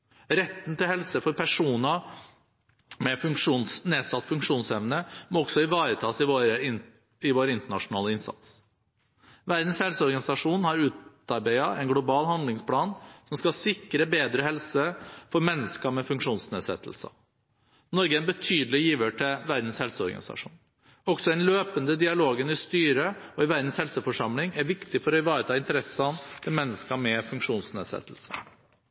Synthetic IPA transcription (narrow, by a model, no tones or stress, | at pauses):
ɾɛt̪ːn̩t̪ɪlhɛlsəfɔɾpʰæʂuːnə | mɛfʉŋkʂuːnsneːsɑt̪ːfʉŋkʂuːnsɛʋnəmɔksɔɪʋɑːɾət̪ʰɑːsɪʋoɾəɪ | ɪʋoːɾɪnt̪əɳɑʂʊnɑːləɪnsɑ̰t̪s | ʋæɾd̪n̩shɛlsəɔɾɡɑnɪsɑʂuːnhɑɾʉːt̪ | ɑɾbæɪɑʔɛɪnɡlʊbɑːlhɑnd̪lɪŋspʰlɑːnsɔmskɑsɪkːɾəbeːd̪ɾəhɛlsəfɔɾmɛnːəskɑmɛfʉŋkʂuːnsneːd̪sɛ̰t̪ʰːəlsə̰ | nɔɾɡəɛnbət̪ʰyːd̪əlɪjiːʋəʈʰɪlʋæɾd̪n̩shɛlsəɔɾɡɑ̰nɪ̰sɑ̰ʂṵːn | ɔɡsɔɛnløːpənd̪əd̪ɪɑloːɡənɪst̪yːɾəɔɪʋæɾd̪n̩shɛlsəfɔʂɑmlɪŋæɾʋɪkt̪ɪfɔɾɔɪʋɑːɾət̪ʰɑːɪnt̪əɾɛsɑnt̪ʰɪlmɛnːəskɑmɛfʉŋkʂuːnsnḛːsɛ̰t̪ːəlsə